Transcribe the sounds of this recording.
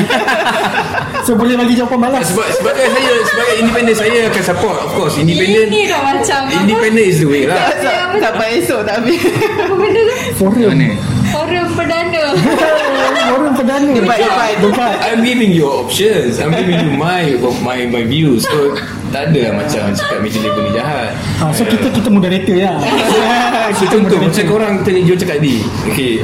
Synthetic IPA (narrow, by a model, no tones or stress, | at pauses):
sobolɛhlaɡid͡ʒakanbalasəbasəbaɡajsajasəbaɡajindipɛndənsajaakansəpɔtɔfkɔsindipɛ̃ndəndamat͡ʃamĩndipɛndənis̬dəwelaaa | t̪aʔbajesɔʔt̪aʔpibənə | fɔɾəm | foɾəmpədanə | foɾəmpədanəbabadəkat̪ajmɡivĩŋjɔɔp̚ʃənsajmɡivĩŋjumajɔfmajmajvjuso | t̪aʔadəlamat͡ʃa̰mat͡ʃakat̪̚mẽt͡ʃalipənid͡ʒaɦat̪̚ | asokit̪əkit̪əmodaɾet̪əja | kt̪əod̪oet͡ʃakoɾaŋt̪əɲəd͡ʒot͡ʃakat̪̚di | oke